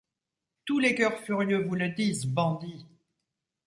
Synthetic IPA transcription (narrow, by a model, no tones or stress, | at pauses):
t̪ulekœʁfyʁjøvuləd̪izbɑ̃d̪i